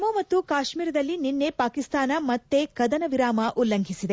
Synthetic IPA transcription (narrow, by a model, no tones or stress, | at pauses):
moːmɐt̪ːukaːʃmiːɾɐd̪ɐlːininːe̞paːkist̪aːnɐmɐt̪ːe̞kɐd̪ɐnɐʋiɾaːmɐʔulːɐŋɡʱisid̪e